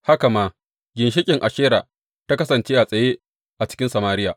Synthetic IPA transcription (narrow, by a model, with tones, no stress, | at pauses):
ha˦ka˨maː˦ | ɡʲɪ˨nʃ̬ɪ˦kʲʼɪ˨ŋʔa˨ʃeː˦ɾa̰ː˨ | ta˦kɐ˦sɐ˨nt͡ʃeː˦ʔa˨sʼɐ˨jeː˦ | ʔa˨t͡ʃɪ̥˦kʲɪ˦nsa˨maː˦ɾɪ˦jaː˨